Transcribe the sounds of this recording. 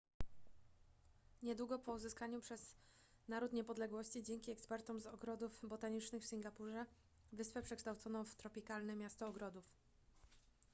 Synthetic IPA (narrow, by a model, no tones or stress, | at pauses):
ɲɛd̪wuɡɔpɔuzɘskaɲupʂɛz̥ | naɾut̪ɲɛpɔd̪lɛɡwɔɕt͡ɕid͡ʑɛŋkʲiɛkspɛɾt̪ɔmzɔɡɾɔd̪ufbɔt̪aɲit͡ʂnɘxfsʲiŋɡapuʐɛ | vɘspɛpʂɛkʂt̪awt̪sɔnɔ̃w̃ft̪ɾɔpʲikalnɛmʲjast̪ɔːɡɾɔd̪uf